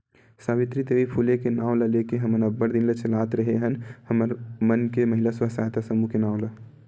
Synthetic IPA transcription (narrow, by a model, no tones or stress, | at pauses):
saβit̪ɾid̪eʋipʰulekenaw̃ləlekeɦəmənəbəɾd̪inlet͡ʃəlat̪ɾəɦeɦənhəməɾmənkeməɦilasəsaɦt̪asəmukenãːw̃lə